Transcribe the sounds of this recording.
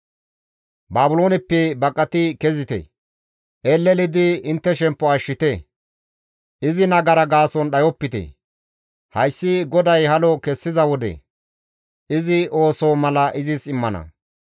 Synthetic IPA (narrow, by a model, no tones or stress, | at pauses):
baːbʊlo̞ːnɪpːɛbɐkʼːɐt̪ɪkɛzɪt̪ḛ | ʔeːlːɛlɪd̪ɪɪnt̪ːɛʃɛmpːɔɐʃːɪt̪e | ʔɪzɪnɐɡɐɾɐɡaːsɔnɗɐjɔpːɪt̪ḛ | hɐjsːɪɡɔd̪ɐjhɐlɔkɛsːɪzɐwɔd̪ɛ̰ | ʔɪzɪʔo̞ːsomɐlɐʔɪzɪsɪmːɐnɐ̰